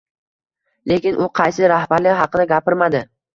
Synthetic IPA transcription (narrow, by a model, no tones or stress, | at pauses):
lekʲɪnʔʊqʰɑjsɪɾahbaɾlɪhɑqɨd̪aɡʲapɪɾmad̪ɪ